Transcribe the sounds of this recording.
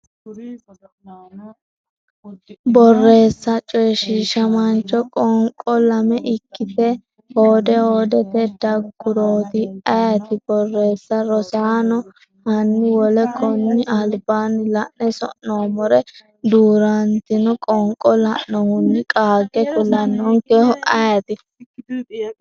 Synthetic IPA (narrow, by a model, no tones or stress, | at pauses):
bɔrːe̞ːsːɐt͡ʃʼɔjɛʃiːʃɐmɐnt͡ʃːɔkʼɔŋkʼːɔlɐmɛʔɪkːɪt̪ɛ | hoːd̪ɛhoːd̪ɛt̪ɛd̪ɐɡʊɾoːt̪ɪɐjɐt̪ɪbɔrːe̞ːsːɐɾɔsaːnɔ | hɐnːɪwɔlɛkʼɔnːɪʔɐlbaːnɪlɐʔnɛsɔ̰ʔnːoːmɔɾɛ | d̪uːɾɐnt̪ɪnɔkʼɔŋkʼɔlɐʔnɔhʊnːɪkʼaːɡɛkʊlːɐnːɔŋkɛhɔʔɐjɐt̪ɪ